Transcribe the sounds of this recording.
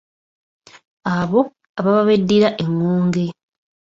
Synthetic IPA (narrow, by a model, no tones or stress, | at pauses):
aβo̞ | aβaβaβedːiɾaʔeŋːuːŋɡe̞